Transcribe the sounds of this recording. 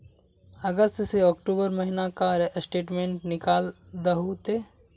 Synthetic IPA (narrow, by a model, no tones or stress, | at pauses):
ɐɡəst̪seɔːkʈoːbəɾmɐɦinakaɾsʈeːʈmẽːɳʈnɪkaːld̪ɐɦot̪e